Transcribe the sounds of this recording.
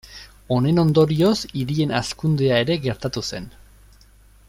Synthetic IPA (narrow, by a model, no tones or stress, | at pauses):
o̞ne̞no̞nd̪o̞ɾio̞siɾie̞naskund̪e̞ae̞ɾe̞ɡe̞ɾt̪at̪use̞n